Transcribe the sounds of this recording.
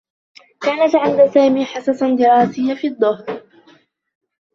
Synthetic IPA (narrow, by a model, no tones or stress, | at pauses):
kaːnat̪ʕand̪asaːmiːħɑsasd̪ɪɾˤɑːsɪjːafiːd̪ˤːʊhɾ